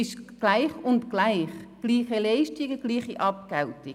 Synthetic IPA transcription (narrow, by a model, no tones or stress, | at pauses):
ɪʃɡ̥laɪχʊntɡ̥laɪχɡ̥liːχəlɛɪʃtiɡəɡ̥liːχiʔɑp̚kɛltɪ